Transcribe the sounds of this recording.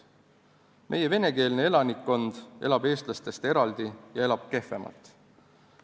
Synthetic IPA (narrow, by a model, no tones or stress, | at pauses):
mʔe̞je̞ve̞ne̞ke̞ːlne̞e̞lɑnikːo̞nd̪̥e̞̰lɑbe̞ːst̪lɑst̪e̞st̪e̞ɾɑld̪ijɑe̞lɑb̥̚ke̞fe̞mɑ̰lt̪ːˑ